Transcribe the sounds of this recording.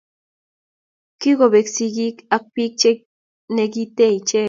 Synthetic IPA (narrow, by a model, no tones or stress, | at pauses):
kiɣoβeksiɡikak̚pik̚t͡ʃe | neɡit̪eit͡ʃe